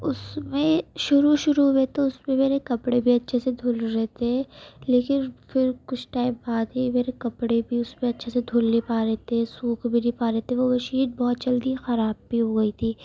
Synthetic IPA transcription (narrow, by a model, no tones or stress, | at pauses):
ʊsmẽʃʊɾuʃʊɾuɦoet̪eʊsmẽmeːɾekɐpɽebʱiɐtːʃʰesed̪ʱoːlɾɛɦt̪eɦɛ̃leːkɪnfɪɾkʊt͡ʃʰʈaːɪmbaːd̪imeːɾekɐpɽebʱiʊsmẽɐtːʃʰesed̪ʱoːlːepaːɾɛɦt̪eɛsuːkʰbʱinipaːɾɛɦt̪eɛ̃ʋoʋɐʃiːd̪̚bɔːt̪̚t͡ʃɐld̪ixɐɾaːb̚ːiɦoɡɐit̪ʰiː